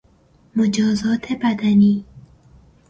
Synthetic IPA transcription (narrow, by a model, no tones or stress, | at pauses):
mod͡ʒɒːzɒːt̪ʰebæd̪æniː